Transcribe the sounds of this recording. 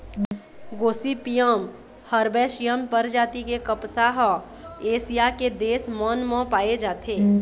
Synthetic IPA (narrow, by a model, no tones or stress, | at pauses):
ɡoːsipijəm | həɾbɛːʃijəmpəɾd͡ʒaːt̪ikekəpsaːɦ | eːsijaked̪eːsmənmə̃paːed͡ʒaːt̪ʰeː